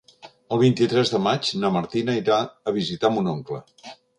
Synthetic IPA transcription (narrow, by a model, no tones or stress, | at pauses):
əlˠβint̪it̪ɾɛzðəmat͡ʃnəməɾt̪inəiɾaəβ̞izit̪amunɔŋklə